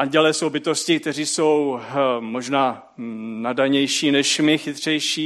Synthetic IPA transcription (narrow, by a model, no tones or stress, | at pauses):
ʔanɟɛlɛso̞wbɪt̪o̞scɪkt̪ɛr̝iːso̞wmo̞ʒnaː | nadaɲɛjʃiːnɛʃmɪxɪt̪r̝̥ɛjʃiː